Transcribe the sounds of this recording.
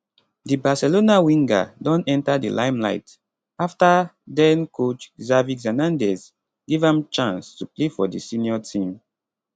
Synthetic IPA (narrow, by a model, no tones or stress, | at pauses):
dibasɛlonawĩŋɡa̰dɔ̃nɛ̃ntadḭlʔãɪmla̰ɪt | aftadɛ̃nkʰot͡ʃzavikzɛnãndɛs | ɡ̥evãmt͡ʃãnstuplefɔdisĩniɔtʰĩm